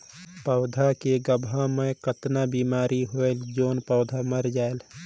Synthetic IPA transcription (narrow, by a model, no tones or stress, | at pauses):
pəʊd̪ʱakeɡəbʱãmẽkət̪nabiːmaːɾʔiɦoeld͡ʒoːnpəʊd̪ʱaməɾd͡ʒaːel